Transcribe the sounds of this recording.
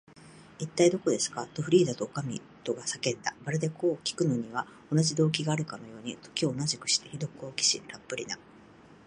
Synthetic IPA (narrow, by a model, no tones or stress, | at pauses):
it̪ːaid̪o̞ko̞d̪e̞sɨ̥kat̪o̞ɸɯ̟ɾʲiːzat̪o̞ːkamʲḭ | t̪o̞ɡasake̞t̪ːabaɾed̪e̞ko̞ːkʲi̥kɯ̟no̞ɲ̟iβ̞a | o̞naʑid̪o̞ːk̬ʲiɡaːɾɯ̟kano̞jo̞ːɲ̟it̪o̞̥kʲio̞ːnaʑikɯ̟̥ɕi̥t̪e̞çid̪o̞kɯo̞ːkʲi̥ɕḭɾapːɯ̟ɾʲḭna